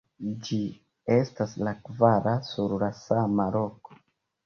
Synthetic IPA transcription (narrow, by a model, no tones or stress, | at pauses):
d͡ʒi | e̞staslakvaɾasuɾlasamalo̞ko̥